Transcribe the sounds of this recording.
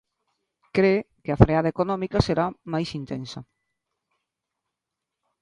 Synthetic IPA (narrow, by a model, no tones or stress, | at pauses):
kɾekɪafɾeaðɐekonɔ̃mikaseɾamajsint̪ensɐ